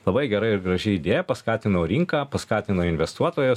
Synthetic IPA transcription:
lˠɐbɐɪɡʲɛɾɐɪɪɾɡɾɐʒʲɪid̪ʲeːjɛpɐskɑːt̪ʲɪnoːɾʲiŋkɑːpɐskɑːt̪ʲɪnoːɪnʲʋʲɛst̪uɔt̪oːjʊs

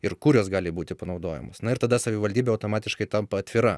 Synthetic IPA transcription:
ɪrkʊɾʲoːsɡɑːlʲɪbuːt̪ʲɪpɐnɐʊd̪oːjɛ̰mo̰ːsnɐɪɾt̪ɐd̪ɐsɐʋʲɪʋɐlʲdʲiːbʲeɐʊt̪oːmɑːt̪ʲɪʃkɐɪt̪ɐmpɐɐt̪ʲʋʲɪɾɐ

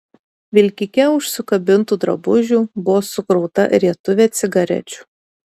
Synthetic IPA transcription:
ʋʲɪlʲkʲɪkʲɛʊʃsʊkɐbʲɪnt̪uːd̪ɾɐ̰bʊʒʲuːbʊʋoːsʊkɾɒʊt̪ɐ̰ɾʲiɛt̪ʊʋʲeːt̪sʲɪɡɐɾʲɛ̰t͡ʃʲu̥ːˑ

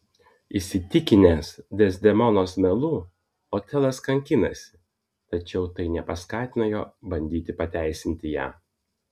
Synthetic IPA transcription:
ɪsʲɪt̪ʲɪkʲɪnʲeːsd̪ʲɛsʲd̪ʲɛmɔnoːsmʲɛlˠuː | oːt̪ʲɛlˠɐskɐŋʲkʲɪnɐsʲɪ̥ | t̪ɐt͡ʃʲɛʊt̪ɐɪnʲɛpɐskɑːt̪ʲɪnɐjo̰ːbɐnʲd̪ʲiːt̪ʲɪpɐt̪ʲæˑɪsʲɪnʲt̪ʲɪjæ̰ː

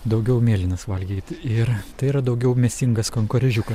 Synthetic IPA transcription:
d̪ɐʊɡʲɛʊmʲeːlʲɪnɐsʋɐlʲɡʲiːt̪ʲɪɾt̪ɐɪiːɾɐd̪ɐʊɡʲɛʊmʲɛsʲtʲɪŋɡɐskoŋkoɾʲɛʒʲukɐs

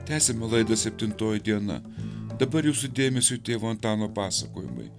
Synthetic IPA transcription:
t̪ʲæːsʲɛmʲɛlˠɐɪd̪ɐsʲɛpʲt̪ʲɪnt̪oːjɪd̪ʲiɛnɐ̰d̪ɐbɐɾjuːsʊd̪ʲeːmʲɛsʲut̪ʲeːʋoːɐnt̪ɑːnoːpɑːsɐkoːjɪ̰mɐ̰ɪ

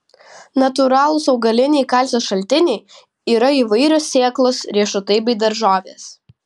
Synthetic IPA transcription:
nɐt̪ʊɾɑːlˠʊsɒʊɡɐlʲɪnʲɛɪkɐˑlʲsʲoːsʃɐlʲt̪ʲɪnʲɛɪ | iːɾɐiːʋɐɪɾʲoːsʲsʲeːklˠoːsɾʲiɛʃʊt̪ɐɪbʲɛɪd̪ɐɾʒɑːʋʲeːs

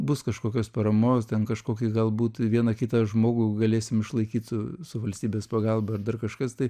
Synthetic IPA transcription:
bʊskɐʃkoːkʲoːspɐɾɐmoːst̪ʲɛnkɐʃkoːkʲiːɡɐlˠbuːt̪ʋʲiɛnɐkʲɪt̪ɐʒmoːɡʊɡɐlʲeːsʲɪmɪʃlˠɐɪkʲiːt̪sʊsʊʋɐlʲsʲtʲiːbʲeːspɐɡɑlˠbɐɐrd̪ɐrkɐʃkɐst̪ɐɪ

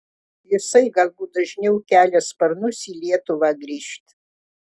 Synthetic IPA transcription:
jɪsɐɪɡɐlʲˠbuːd̪ɐʒʲnʲɛʊkʲæːlʲɛspɐɾnʊsiːlʲiɛt̪ʊʋɑːɡɾʲiːʃʲt̪ʲ

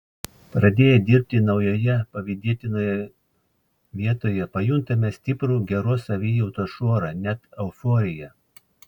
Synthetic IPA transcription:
pɾɐd̪ʲeːjɛd̪ʲɪɾʲp̚ʲt̪ʲɪnɒʊjoːjɛpɐʋʲɪd̪ʲiɛt̪ʲɪnoːjɛ | ʋʲiɛt̪oːjɛpɐjʊnt̪ɐmʲɛsʲt̪ʲɪpɾuːɡʲɛɾoːsɐʋʲɪjɔʊt̪oːʃuɔɾɑnʲɛt̪ɛʊfɔːɾʲɪjɛ

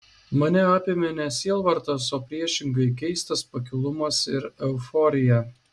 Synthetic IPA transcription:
mɐnʲɛaːpʲɪmʲɛnʲɛsʲiɛlˠʋɐɾt̪ɐsoːpʲɾʲiɛʃʲɪŋɡɐɪk̬ʲɛɪst̪ɐspɐk̬ʲɪlˠʊmɐsɪɾɛʊfɔːɾʲɪjæ

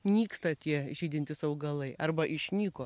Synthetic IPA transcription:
nʲiːkst̪ɐt̪ʲiɛɪʒʲiːd̪ʲɪnʲt̪ʲɪsɐʊɡɐlˠɐɪʔɐrbɐʔɪʃʲnʲiːkoː

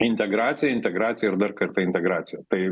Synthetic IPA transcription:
ɪnʲt̪ʲɛɡɾɑːt̪sʲɪjɛɪnʲt̪ʲɛɡɾaːt̪sʲɪjɛɪɾd̪ɐrkɐɾt̪ɐɪnʲt̪ʲɛɡɾaːt̪sʲɪjɛt̪ɐɪ

